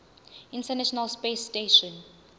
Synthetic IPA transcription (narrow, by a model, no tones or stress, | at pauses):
ĩntʰɛnaʃɔnalspesteʃɔ̃n